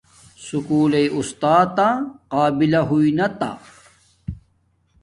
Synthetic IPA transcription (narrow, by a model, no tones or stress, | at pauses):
sukuːleiʔust̪aːt̪aqaːbilɐɦuinɐt̪a̰